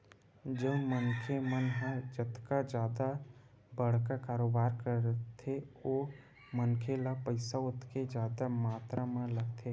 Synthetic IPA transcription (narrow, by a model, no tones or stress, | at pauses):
d͡ʒəbmənkʰemənɦə̃d͡ʒət̪kad͡ʒjaːd̪a | bəɽ̤kakaːɾoːbaːɾkəɾt̪ʰeoː | mənkʰelapəɪsaʊt̪ked͡ʒjaːd̪amaːt̪ɾʔamə̃ləɡt̪ʰeː